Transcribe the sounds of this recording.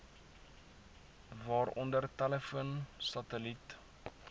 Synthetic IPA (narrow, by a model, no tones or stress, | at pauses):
vɑːrɔndərtæləfuənsɐtəlit